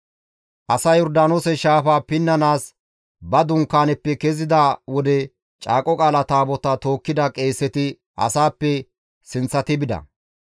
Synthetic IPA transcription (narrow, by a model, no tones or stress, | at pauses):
ʔɐsɐjɔɾd̪aːnoːsɛʃaːfaːpɪnːɐnaːs | bɐd̪ʊŋkːaːnɛpːɛkɛzɪd̪ɐwɔd̪ɛ | t͡ʃʼa̰ːkʼɔkʼaːlɐt̪aːbɔt̪ɐt̪o̞ːkːɪd̪ɐkʼe̞ːsːɛt̪ɪ | ʔɐ̰saːpːɛ | sɪnt͡sːɐt̪ɪbɪd̪ɐ̰